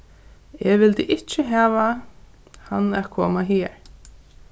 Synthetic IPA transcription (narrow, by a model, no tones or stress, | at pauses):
ɛʋɪlt̪əʔɪt͡ʃɪɦaːʋa | hanːæðkʰoːmaɦiːɹ